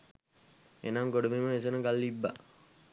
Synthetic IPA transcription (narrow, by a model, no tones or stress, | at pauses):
ḛnaŋɡoɖəmiməʋes̬enəɡalːibːa